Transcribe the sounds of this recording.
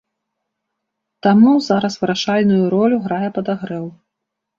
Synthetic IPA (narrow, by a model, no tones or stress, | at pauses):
t̪amuzaɾɐsvɨɾaʂalʲnujuɾɔlʲuɣɾajɛpɐd̪aɣɾɛw